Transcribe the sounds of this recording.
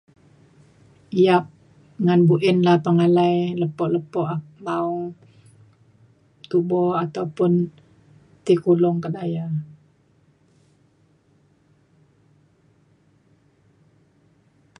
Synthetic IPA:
ijap̚ | ŋanbuʔɪnlahpəŋalajləpɔʔləpɔʔamaʊŋ | t̪ubɔat̪awpʊn | t̪ikulʊŋkədaja

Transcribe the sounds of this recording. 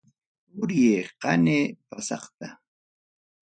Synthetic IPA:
ʊɾjeːqɑneːpasɑ̰qt̪a

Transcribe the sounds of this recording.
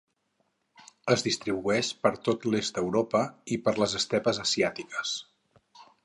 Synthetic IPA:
əzðist̪ɾiβuɛʃpəɾt̪ot̪lest̪̚d̪əwɾopəipəɾləzəst̪ɛpəzəsiat̪ikə̥s

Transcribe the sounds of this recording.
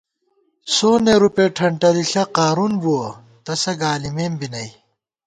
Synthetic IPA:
soːneɾupeːʈʰɐɳʈɐdiɬɐqaːɾunbuo | t̪ɐsɐɡaːlimeːmbinɐj

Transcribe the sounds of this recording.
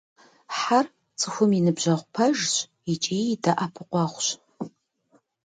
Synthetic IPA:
ħar | t͡sʰʼɨxʷʊminɨbʒɐʁʷpʰɐʒɕʷʼ | it͡ʃʼiːdɐʔapʰɨqʷɑʁʷɕ

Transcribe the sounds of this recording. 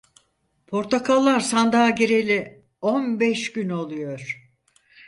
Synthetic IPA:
pʰo̞ɾt̪ʰakʰalˠːaɾsand̪aɟeɾelʲi | o̞nbɛʃɟyno̞lˠujo̞ɾ̥

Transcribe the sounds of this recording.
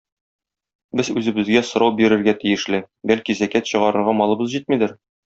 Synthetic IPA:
bɘzʉzɘ̆bɘ̆zɡæsŏɾɑwbiɾɘ̆ɾɡæt̪ijɘ̆ʃlɘ | bælkizækæt̪ɕɤ̆ʁɑɾɤ̆ɾʁɑmɒlˠɤ̆bɤzʑit̪mid̪ɘɾ

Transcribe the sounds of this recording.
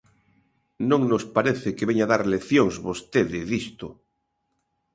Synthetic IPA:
nõŋnospaɾeθɪkeβeɲaðaɾleθjoŋzβost̪eðɪðist̪o

